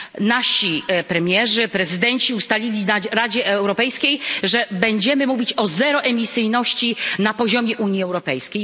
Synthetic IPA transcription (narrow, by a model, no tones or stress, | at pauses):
naɕipɾɛmʲjɛʐɘpɾɛzɘd̪ɛɲt͡ɕiust̪alʲilʲinaɾad͡ʑɛɛwɾɔpɛjskʲejʐɛbɛɲd͡ʑɛmɘmuvʲit͡ɕɔzɛɾɔʔɛmʲisɘjnɔɕt͡ɕinapɔʑɔmʲjɛʔuɲjiɛwɾɔpɛjskʲej